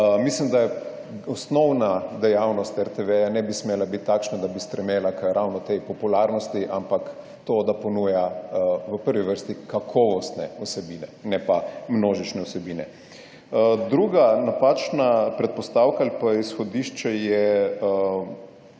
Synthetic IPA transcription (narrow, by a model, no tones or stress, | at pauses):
mislimd̪ajɛ | ɔsnɔwnad̪ɛjawnɔst̪ɛɾt̪eʋɛjanɛbismeːlabit̪ʲːakʃnad̪abist̪ɾɛmjeːlakəɾawnɔt̪ejpɔpulaɾnɔst̪iʔampak | t̪oːd̪apɔnuːjaʋəpəɾʋiʋəɾst̪ikakʰɔʋɔst̪nɛɔsɛbiːnɛnɛpamnoːʒit͡ʃnɛɔsɛbiːnɛ̰ | d̪ɾuːɡanapaːt͡ʃnapɾɛt̪̚pɔst̪awkaːlipaisxɔd̪iʃt͡ʃɛjɛ